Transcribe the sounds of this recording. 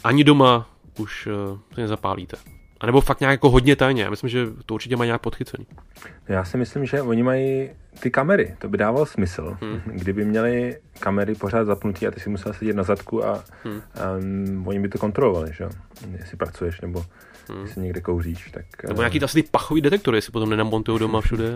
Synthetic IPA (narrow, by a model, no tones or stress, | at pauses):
ʔaɲɪdo̞ma | ʔuʃsɛnɛzapa̰ːlḭːt̪ɛʔanɛbofak̚t̪ɲaːkjakoɦo̞dɲɛt̪ajɲɛja̰ːmɪslɪmʒɛt̪ouɾt͡ʃɪcɛmajɲaːk̚pot̪xɪt͡sɛniː | nojaːsɪmɪslɪmʒɛvoɲɪmajit̪ɪkamɛɾɪt̪obɪdaːvalsmɪsl̩ɡdɪbɪmɲɛlɪkamɛɾɪpo̞r̝aːd̪zapnut̪iːa̰t̪ɪsɪmusɛlasɛɟɛt̪nazat̪kua̰ | voɲɪbɪt̪oko̞nt̪ɾo̞lovalɪʒɛjo | jɛsɪpɾat͡sujɛʃnɛbo | ɛsɪɲɛɡdɛkowriːʃt̪aknɛboɲaːkiːt̪ʔasɪt̪ɪpaxoviːdɛt̪ɛk̚t̪oɾɪjɛsɪ̥pot̪o̞mnɛnamːont̪ujowdo̞mafʃudɛ